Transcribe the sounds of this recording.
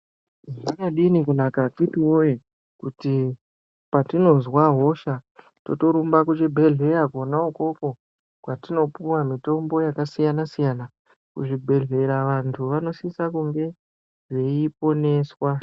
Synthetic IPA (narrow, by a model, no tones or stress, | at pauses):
ʐinaɗinikunakakitiwoje | kuti | patino̞nzwaɦo̞ʃa | to̞̰to̞ɾumbakut͡ʃibʱe̞ɮe̞ɾakonauko̞ko̞ | kwatino̞puwamito̞mbo̞jakasijanasijana | kuʐibʱe̞ɮe̞ɾaʋantʰuʋano̞sisakuŋɡe̞ | ʐe̞ipo̞ne̞ːswa